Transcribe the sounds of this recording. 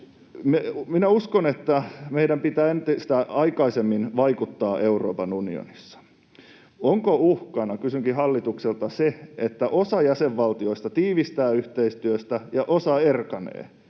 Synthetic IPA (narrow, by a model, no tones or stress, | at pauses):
meminæuskonet̪ːæmeiɾæmpit̪æːent̪ist̪æɑikɑisemːinʋɑikut̪ːɑːʔeuroːpɑnunḭo̰nisːɑ̥ | oŋkouhkɑnɑkysyŋkiɦɑlːit̪ukselt̪ɑseet̪ːæʔosɑjæseʋːɑlt̪io̞ist̪ɑt̪iːʋist̪æːyht̪eist̪yøst̪æjɑʔosɑerkɑnḛː